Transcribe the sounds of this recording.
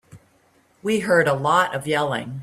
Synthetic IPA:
wiɦɜ˞ɾəlɔɾʌvjɛlˠɪ̰̃ŋ

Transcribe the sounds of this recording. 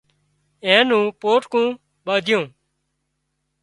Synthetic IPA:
ẽːnũːpoːʈkũː | ɓaːd̪ʱjõː

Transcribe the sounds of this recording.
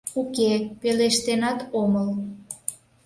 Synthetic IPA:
ukepeleʃt̪enɑt̪oməl

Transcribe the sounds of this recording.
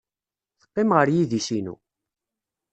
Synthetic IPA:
θə̥qːɪmʁəɾjiðisinṵ

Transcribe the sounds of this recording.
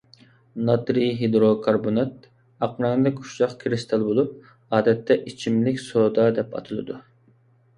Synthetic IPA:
nɑt̪ɾiɦed̪ɾokʰɑɾbonɑt̪ | ɑqmɑnɨd̪ɛkʲu̥ʃt͡ʃɑqkʲʰɾist̪ʰɑlˠbolˠup̚ | ɑːd̪ɛt̪ʰːɛʔit͡ʃʰimlɪkʲsod̪ɑd̪ɛpɑ̰t̪ʰɨlˠɨ̰d̪u

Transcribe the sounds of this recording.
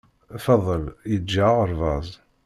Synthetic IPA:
fɑðˤːəljəd͡ʒːaʁəɾˤvɑzˤ

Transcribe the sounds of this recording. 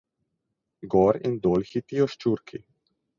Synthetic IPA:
ɡɔːɾḭnd̪oːlxit̪ijɔʃt͡ʃuːɾkʰi

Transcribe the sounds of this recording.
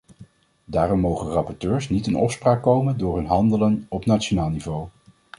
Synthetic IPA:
daːrɔmːowχərɑpɔɹtøːɹsnitənɔ̰fspraːkːowməndʊːɹɦɵnɦɑndələnɔpnatt͡ʃonaːlˠnivow

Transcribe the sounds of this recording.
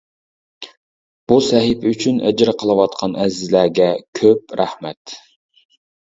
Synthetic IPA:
b̥usɛɦɪpʰɪyt͡ʃʰynʔɛ̰d͡ʒɾɨqʰəlˠɨwɑt̪̚qʰɑnʔɛzɪzlæɡʲɛkʲʰøpɾæhmɛt̪

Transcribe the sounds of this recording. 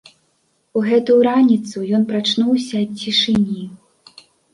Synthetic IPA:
uɣɛt̪ujuɾanʲit̪sujɔnpɾat͡ʂnuwsʲɐɐt͡sʲiʂɨnʲi

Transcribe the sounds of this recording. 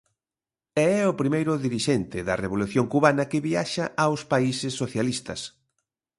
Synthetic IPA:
ɛɛʊpɾimejɾʊðiɾiʃɛnt̪ɪðɐreβ̞oluθjoŋkuβanɐkɪβiaʃɐʔawspaisɪsːoθjalist̪ɐs

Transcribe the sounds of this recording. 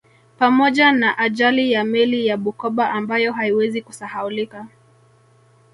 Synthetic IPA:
pamɔʄanaʔaʄalijamɛlijaɓukɔɓaʔambajɔɦaiwɛzikusahaulika

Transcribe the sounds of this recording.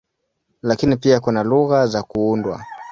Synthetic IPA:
lakinipiakunaluɣazakuundwa̰

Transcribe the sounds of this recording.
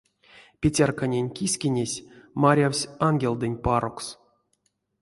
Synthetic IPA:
pʲet͡sʲarkanʲenʲkʲisʲkʲinʲesʲmaɾʲawsʲanɡʲelʲˠd̪ɨnʲpaɾoks

